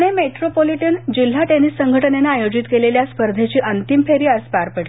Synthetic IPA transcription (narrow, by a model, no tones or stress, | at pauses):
ɽ̃emeʈɾopoliʈənd͡ʑil̤ːaʈenisːəŋɡʱəʈənenaːjod͡ʑit̪keleljaspəɾd̪ʱet͡ɕiːʔənt̪impʰeɾiːəspaɾpəɽ